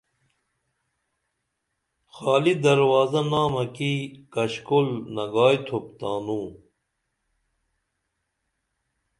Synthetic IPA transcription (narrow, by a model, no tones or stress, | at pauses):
xaːlid̪ɐɾwaːzɐnaːmɐkikɐɕkulnɐɡaːjt̪ʰopt̪aːnũː